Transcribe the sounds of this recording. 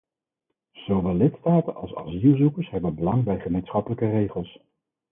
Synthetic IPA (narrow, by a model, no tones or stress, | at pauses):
z̥owʋɛlːɪtstaːtənʔɑ̰lˠsɑ̰zilˠzukəɹsɦɛbənbəlɑŋbɛjχəmejnsχɑpələkərejχəlˠs